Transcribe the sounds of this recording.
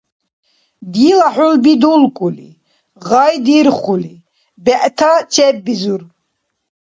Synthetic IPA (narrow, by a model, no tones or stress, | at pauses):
d̪ilaħulbid̪ulkʼulḭ | ʁajd̪iɾχuli | bɛʔt̪ʰat͡ʃʰɛbːizuɾ